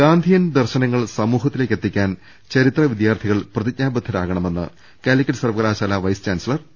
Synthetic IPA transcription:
ɡaːnd̪ʱijɐnd̪ɐrɕɐnɐŋːɐɭsɐmuːɦɐt̪ːile̞ːkːet̪ːikʲːaːn | t͡ɕɐɾit̪rɐʋid̪jaːrt̪ʰiɣɐɭprɐðic̚ɲaːbɐt̪ʰːɐɾaːɣɐɳɐme̞nːɨ̰ | kaːlikʲːɐʈsɐrʋɐɣɐlaːɕaːlaʋɐjst͡ɕaːnsɐɭɐr

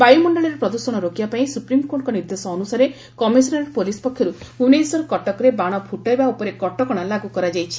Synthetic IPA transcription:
bajumɔɳɖɔɭiɾepɾɔd̪uɾsɔɽ̃ɔɾokibapaĩsupɾimkoʈkɔniɾd̪esɔːnusaɾe | kɔmisɔnaɾɔɾpolispɔkʰjɔɾu | unesɔɾkɔʈɔkɔɾebaɽ̃ɔbʱuʈajbaupɔɾekɔʈɔkɔɽ̃alaɡukɔɾad͡ʒajt͡ʃʰi̥

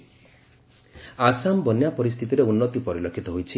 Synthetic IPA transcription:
asambɔnjapɔɾist̪ʰit̪iɾeunːɔt̪ipɔɾilɔkʰit̪ɔɦojt͡ʃʰi

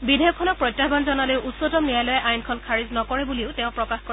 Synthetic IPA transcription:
bidʱejɔkʰːɔnɔk̚pɹɔjtːjabanzɔnalojʊʔutsɔtɔmnijajlɔjɛʔajnkʰɔnkʰaɹiznɔkɔɹɛbuliʊteʊ̃pɹɔkaxkɔ

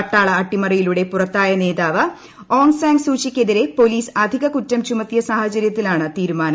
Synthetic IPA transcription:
ɐʈːaːɭɐːʈːimɐrijiluɽe̞purɐt̪ːaːjɐne̞ːðaːʋɐ | oːŋsaːŋɡsuːt͡ɕikʲːeðiɾe̞po̞liːsɐd̪ʱiɣɐkutːɐmt͡ɕumɐt̪ːjɐsaːhɐt͡ɕɐɾjɐt̪ːilaːɳɨt̪iːɾumaːnɐ

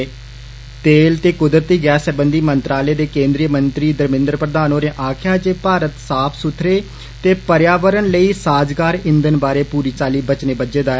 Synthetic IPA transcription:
t̪eːlt̪eːkʊd̪ɾət̪iːɡɛːsəbənd̪iːmənt̪ɾaːleːd̪eːkẽːnd̪ɾijəmənt̪ɾiːd̪əɾmɪ̃nd̪ɾəpɾəd̪aːnõːɾeːʔaːkʰɪjaːd͡ʒeːpaːɾət̪saːpʰsʊt̪ʰɾeː | t̪eːpəɾjaːʋəɾənləiːsaːd͡ʒɡaːɾɪ̃nd̪ənbaːɾeːpuːɾiːt͡ʃaːliːbət͡ʃneːbəd͡ʒeːd̪aː

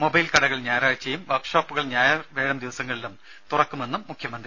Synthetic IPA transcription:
mo̞bɐjlkɐɽɐɣɐɭɲaːjɾaːɻt͡ɕːɐjumʋɐrkʂoːpːuɣɐɭɲaːjɐʋeːɻɐmd̪iʋɐsɐŋːɐɭilum | t̪urɐkːume̞nːumːukʰjɐmɐnd̪r

